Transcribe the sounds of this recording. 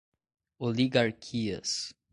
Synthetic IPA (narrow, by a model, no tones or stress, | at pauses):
oliɡaɾkʰiɐ̰s